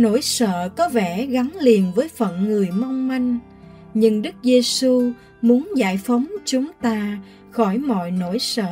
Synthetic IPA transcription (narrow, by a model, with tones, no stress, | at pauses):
no̰˧˩jsə̰ː˧˨kɔ˨˦vɛ˧˩ɣa˨˦ŋli˨˩ənvəː˨˦jfə̰˧˨nŋɨ˨˩əjma˧wŋ͡mma˧jŋ̟ | ɲɨ˧ŋɗɨ˦˥k̚ze˧su˧ | mu˨˦ənzaː˧˩jfə˨˦wŋ͡mt͡ɕʊ˨˦ŋ͡mt̪aː˧ | xɔ˧˩jmɔ̰˧˨jno˧˩jsə̰ː˧˨